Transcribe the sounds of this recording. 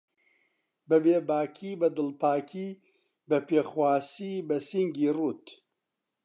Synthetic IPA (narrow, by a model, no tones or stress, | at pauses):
bɛbeːbaːkʰiːbɐd̪ɨlpaːkʰiː | bɐpeːxwaːsiːbɐsiŋɡiːruːt̪